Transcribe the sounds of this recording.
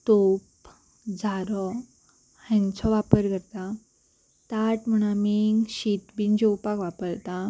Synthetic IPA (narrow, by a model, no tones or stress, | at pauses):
t̪op | d͡zʱaɾɔ | hɛ̃nt͡ɕʰɔʋapəɾkəɾt̪a | t̪aʈm̤əɽ̃amiŋɕit̪bind͡ʑɔwpakʋapəɾt̪a